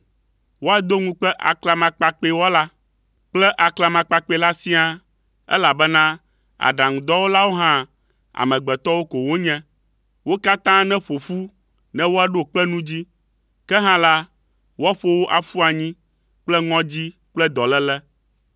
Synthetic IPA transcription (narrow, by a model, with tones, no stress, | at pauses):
wo˦a˦d̪o˦ŋũ˦k͡pɛ˦ʔa̰˨kla˨mã˨k͡pa˨k͡pe˦wɔ˦la˦ | k͡plɛ˦ʔa˨kla˨mã˨k͡pa˨k͡pe˨la˦si˦a˦˨ | ɛ̰˦la˨bɛ˦nã˦ | a̰˨ɖa˨ŋũ˨d̪ɔ˦wo˦la˦wo˦ɦã˦ | a̰˨mɛ̃˨ɡ͡bɛ˨t̪ɔ˦wo˦ko˨wo˦ɲɛ̃˦ | wo˦ka˦t̪ã˦nɛ̃˦ɸo˨fu˦ | nɛ̃˦wo˦a˨ɖo˦k͡pɛ˦nũ˦d͡ʑi˦ | kɛ˦ɦã˦la˦ | wo˦a˦ɸo˦wo˦ʔa˨fu˦a˨ɲĩ˦ | k͡plɛ˦ŋɔ̃˦d͡ʑi˦ | k͡plɛ˦d̪ɔ˨lɛ˦lɛ˦